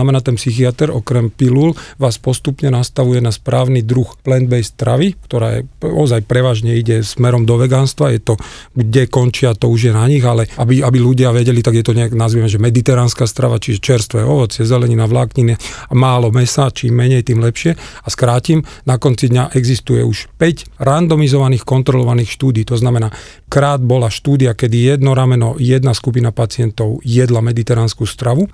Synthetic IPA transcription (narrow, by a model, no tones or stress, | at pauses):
namɛnaːt̪ɛnpsixiat̪ɛɾɔkɾɛmpilulʋaːspɔst̪upɲɛnast̪aʋujɛnaspɾaːʊnid̪ɾuxplɛnd̪bɛjst̪ɾa̰ʋikt̪ɔɾa̰ːjɛ̰ɔ̰zajpɾɛʋaːʒɲɛiɟɛsmɛɾɔmd̪ɔʋɛɡanst̪ʋajɛt̪ɔɡɟɛkɔnt͡ʃiat̪ɔuʒjɛnaɲiɣalɛabiabiluɟɪaʋɛɟɛlit̪aɡjɛt̪ɔɲɛaɡnazʋimɛʒɛmɛd̪it̪ɛɾaːnskaːst̪ɾa̰ʋat͡ʃiʒɛt͡ʃɛɾst̪ʋɛjɛɔʋɔt͡sjɛzɛlɛɲinaʋlaːkɲiniamaːlɔmɛsat͡ʃiːmːɛɲɛjt̪iːmlɛpʃɪɛaskɾaːcimnakɔnt͡sid̪ɲaʔɛɡzist̪ujɛ̰uʃpɛcɾand̪ɔmizɔʋaniːxkɔnt̪ɾɔlɔʋaniːxʃt̪uːd̪iːt̪ɔznamɛnaː | kɾaːd̪̚bɔlaʃt̪uːd̪iakɛd̪ijɛd̪nɔɾamɛnɔjɛd̪naskup̬inapat͡sɪɛnt̪ɔʊjɛd̪lamɛd̪it̪ɛɾanskust̪ɾaʋu